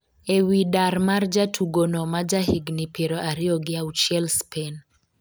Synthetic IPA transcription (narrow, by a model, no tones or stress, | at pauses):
ewidaɾmard͡ʒatʰuɡonɔmad͡ʒaɦiɡnipeɾoʔaɾɪɔɡɪaut͡ʃɛlspʰen